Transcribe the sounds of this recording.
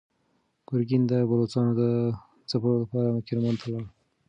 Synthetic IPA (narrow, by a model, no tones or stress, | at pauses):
ɡ̥ʊɾɡind̪əbalot͡sɑnod̪ə | t͡sapɾoləpɑɾakɪɾmɑnt̪ʰalaɳ